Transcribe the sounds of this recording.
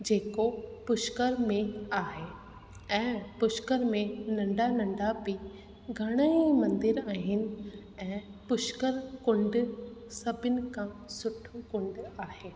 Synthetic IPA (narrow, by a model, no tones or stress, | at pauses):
d͡ʑeːkopʊʃkəɾmẽaːɦe | ɛ̃ːpʊʃkəɾmẽnɐ̃ɳɖanɐ̃ɳɖabi | ɡʱɐɽ̃əimɐ̃nd̪ɪɾaːɦɪnɪ̆ | ɛ̃ːpʊʃkəɾkʊ̃ɳɖsɐbʱɪnɪ̆kʰãsʊʈʰokʊ̃ɳɖaːɦeː